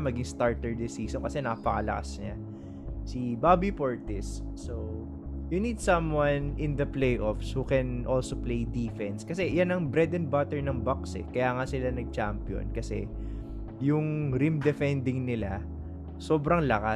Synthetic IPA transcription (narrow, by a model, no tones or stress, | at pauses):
mɐɡɪŋst̪aɹt̪ɛɹd̪ɪsiːsonkɐsɛnaːpɐkɐlɐ̰ka̰sɲa | sibaːbipoɹt̪ɪsː | o | junid̪̚sɐmwanɪnd̪ɐplejʔofshukɛnʔolsoplejd̪iːfɛnskɐsɛjanɐŋbɾɛd̪ɛnbat̪ɛɹnɐŋbaksɛ̰kɐjaːŋɐsɪlanɐɡ̚t͡ʃampjo̰nkɐsɛ̰ | jʊŋɾimd̪ɛfɛnd̪ɪŋnɪla | soːbɾɐŋlɐka